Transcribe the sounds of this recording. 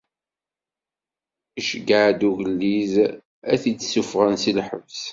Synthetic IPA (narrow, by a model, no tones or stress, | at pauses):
iʃəɡaʕd̪uʝəlːiz | æθit͡sːsufʁənsilħə̰vs